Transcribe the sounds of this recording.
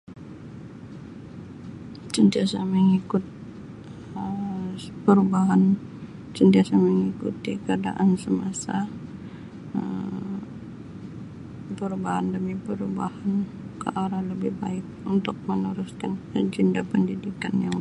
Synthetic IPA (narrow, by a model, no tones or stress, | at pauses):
t͡ʃənt̪iasaməŋikʊt̪̚ | ə | pəɾubaɦan | t͡ʃənt̪iasaməŋikut̪ikəada̰ʔansəmasa | ə | pəɾubaɦandəmipəɾubahan | ka̰ʔaɾaləbɪhbaɪk̚unt̪ʊk̚mənuɾʊskanəd͡ʒindapəndidikanja